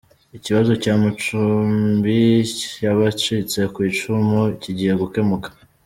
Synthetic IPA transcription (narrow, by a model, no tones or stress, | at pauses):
iciβazo̞caːmat͡ʃummbijaβat͡ʃit͡se̞kwiːt͡ʃumuiciɟihe̞ɡuke̞mukḁ